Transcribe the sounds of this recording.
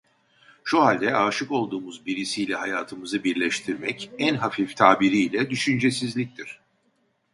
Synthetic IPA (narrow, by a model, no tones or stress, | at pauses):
ʃuɦalʲd̪ɛaːʃɯko̞lˠd̪uːmuzbiɾisijlʲɛɦajaːt̪ʰɯmɯzɯbiɾlʲɛʃt̪ʰiɾmɛcænɦafift̪ʰaːbiɾiːlʲɛd̪yʃynd͡ʒe̞sizlʲic̚t̪ʰiɾ̥